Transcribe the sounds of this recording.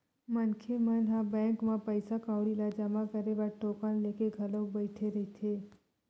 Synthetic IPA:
mənkʰemənɦabɛ̃ːŋkmãpəjsakãwɽilad͡ʒəmakəɾeʋaʈoːkanlekeɡʱəlõbəɪʈʰeɾəɦit̪ʰe

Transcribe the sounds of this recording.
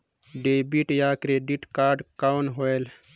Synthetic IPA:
ɖebiʈjaːkɾeːɖiʈkaːɾɖkawnɦoel

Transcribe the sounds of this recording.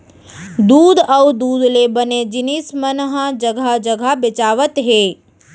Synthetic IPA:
d̪uːd̪əwd̪uːd̪lebəned͡ʒɪnismənɦəd͡ʒəɡʱad͡ʒəɡʱabɪt͡ʃaːʋət̪ɦeː

